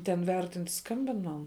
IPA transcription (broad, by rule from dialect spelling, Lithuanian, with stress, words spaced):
tʲɛn ˈʋʲɛrʲtʲɪnt ˈskɐmʲbʲɪn ˈmɐn